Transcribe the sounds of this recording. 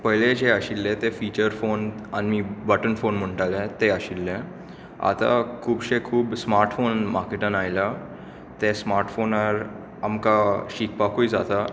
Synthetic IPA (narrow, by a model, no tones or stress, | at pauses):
pəɦjled͡ʑeəɕilːẽt̪efiːt͡ɕəɾfonanimiːbəʈənfonm̤əɳʈalẽt̪eaɕilːẽ | a̰t̪a̰kʰuːbɕekʰuːbsmaɾʈfonmaɾkeʈənajla | t̪esmaɾʈfonaɾ | amkaɕik̚pakoid͡zat̪a